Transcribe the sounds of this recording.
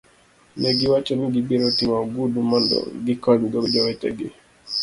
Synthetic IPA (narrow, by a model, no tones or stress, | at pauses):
nɛɡiwat͡ʃɔniɡibiɾɔtimaɡudumɔndɔ̰ɡikɔɲɡɔbd͡ʒɔwɛtɛ̰ɡi